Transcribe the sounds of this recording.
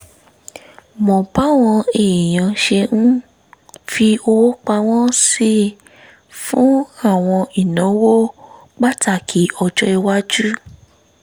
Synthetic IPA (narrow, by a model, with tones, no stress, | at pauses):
mɔ̃˨ba˨˦w̃ɔ̃˧e˨j̃ã˨ʃe˧nũ˦ | fi˧o˧wo˦k͡pa˧w̃ɔ̃˦si˦ | fũ˦a˦˨w̃ɔ̃˧i˨nã˨˦wo˦ | ɡ͡ba˦ta˦˨kʰi˨˦ɔ˧d͡ʒɔ˦i˧wa˦d͡ʒu˦